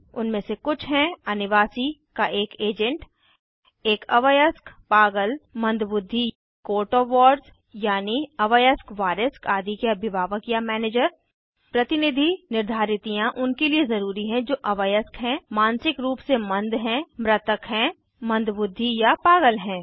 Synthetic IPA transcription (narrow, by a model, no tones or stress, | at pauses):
ʊnmẽsekʊt͡ʃʰɦɛ̃ɐnɪʋaːsikaʔeːkeːd͡ʒə̃ɳʈ | eːkɐʋəjəskpaːɡəlmɐ̃nd̪ʱbʊd̪ʱːi | koːʈoʋɔːɖs | jaːniɐʋəjəskʋaːɾəskaːd̪ʱikeɐbɪbaːʋəkjamɛːneːd͡ʒəɾ | pɾɐt̪ɪnɪd̪ʱinɪɾd̪ʱaːɾɪt̪ijãʔʊnkeliezɐɾuːɾiɦɛ̃d͡ʒoːʔɐʋəjəskɦɛ̃maːnsɪkɾuːpsemɐ̃nd̪ʱɦɛ̃mɾɐt̪əkɦɛ̃ | mɐ̃nd̪ʱbʊd̪ʱːijapaːɡəlɦɛ̃ː